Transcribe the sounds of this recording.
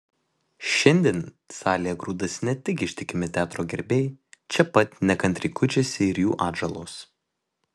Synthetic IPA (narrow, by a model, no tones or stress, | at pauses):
ʃʲɛnʲd̪ʲiːn | sɑːlʲijɛɡɾuːd̪ɐsnʲɛt̪ʲɪkʲɪʃʲt̪ʲɪkʲɪmʲɪt̪ʲæːt̪ɾoːɡʲɛɾʲbʲɛɪt͡ʃʲɛpɐt̪ʲnʲɛkɐnʲt̪ʲɾʲɪkʊt͡ʃʲesʲɪɪɾjṵːʔɑːd̪ʒɐlˠoːs